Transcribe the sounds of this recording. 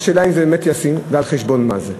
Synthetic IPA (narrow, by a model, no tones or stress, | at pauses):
ʃelaimzebemetjasinvealχeʃbonma̰ze